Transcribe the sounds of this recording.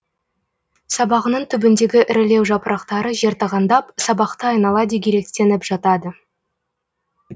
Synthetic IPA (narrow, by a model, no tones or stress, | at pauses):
sɑbɑʁənəɴt̪ʰʏbɪnd̪e̞ɡʲɪʔɪɾɪle̞wʒɑpəɾʔɑqt̪ɑɾəʒe̞ɾt̪ɑʁɑnd̪ɑpsɑbɑqt̪əɑjnɑlˠɑd̪ekʲʰeɾe̞k̚t̪e̞nɪpʒ̥ɑt̪ɑd̪ə